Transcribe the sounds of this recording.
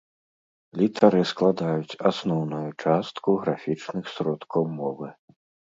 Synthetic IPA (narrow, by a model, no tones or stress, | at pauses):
lʲit̪ʰaɾɨsklˠad̪ajut͡sʲasnɔwnujut͡ʂast̪kuɣɾafʲit͡ʂnɨxsɾɔt̪kɐwmɔvɨ